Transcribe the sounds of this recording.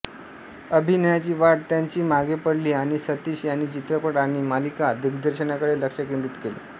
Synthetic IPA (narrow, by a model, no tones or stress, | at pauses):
əbʱinəjat͡ɕiːʋaɽ̚t̪jaɲt͡ɕiːmaɡepəɽliːaɽ̃isət̪iɕjaɽ̃it͡ɕit̪ɾəpəɽaɽ̃imalikad̪ʱikd̪əɾɕənakəɽeləkʂəkind̪it̪kelḭː